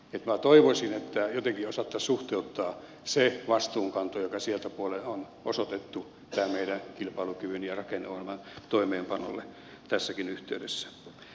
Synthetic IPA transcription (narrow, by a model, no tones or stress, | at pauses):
et̪mæt̪oiʋosʲinet̪ːæjot̪eŋkiosɑt̪ːɑsuht̪eut̪ːɑː | seʋɑst̪uːŋkɑnt̪ojokɑsielt̪æpuolenon | osot̪et̪ːu | t̪æːmeidænkilpɑilukyʋynjɑrɑkenːeot̪æmænt̪oimeːmpɑno̰lːe | t̪æsːækinyht̪eydesːæ̥